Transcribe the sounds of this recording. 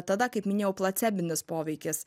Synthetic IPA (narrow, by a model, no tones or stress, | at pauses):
t̪ɐd̪ɐkɐɪpmʲɪnʲeːjɛʊplˠɐt̪sʲæːbʲɪnʲɪspoːʋʲɛɪkʲɪs